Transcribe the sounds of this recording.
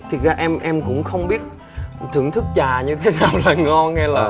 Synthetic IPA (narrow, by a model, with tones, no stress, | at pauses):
t̪ʰi˨˩t̚zaː˧ʔɛ˧mʔɛ˧mkʊ̰˧˥ŋ͡mxə˧wŋ͡mɓi˦˥ət̚ | t̪ʰɨ̰˧˩əŋt̪ʰɨ˦˥k̚t͡ɕaː˨˩ɲɨ˧t̪ʰe˨˦naː˨˩wlaː˨˩ŋɔ˧nŋɛ˧laː˨˩